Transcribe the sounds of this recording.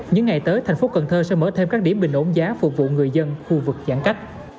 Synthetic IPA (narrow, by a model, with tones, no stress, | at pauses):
ɲɨ̰˧˥ŋːa˨˩jt̪əː˨˦jt̪ʰa˨˩jŋ̟fo˨˦kə˨˩nt̪ʰəː˧sɛ̰˧˥məː˧˩˦t̪ʰe˧mkaː˦˥k̚ɗi˧˩əmɓï˨˩ŋ̟ʔo̰˧˥ŋ͡mzaː˨˦fṵ˧˨k͡p̚vṵ˧˨ŋɨ˨˩əjzə˧nxu˧vɨ˨˩k̚zaː˧˥ŋka˦˥jk̟̚